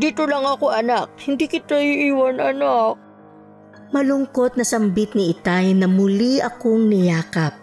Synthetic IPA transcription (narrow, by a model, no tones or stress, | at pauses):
d̪iːt̪olɐŋɐkoʔɐnak̚hɪnd̪iːkɪt̪aiʔiːwɐnɐnak̚ | mɐlʊŋko̞t̪̚nɐsɐmbit̪̚nɪʔɪt̪ajnɐmʊliʔɐkoŋnɪjaːkɐp̚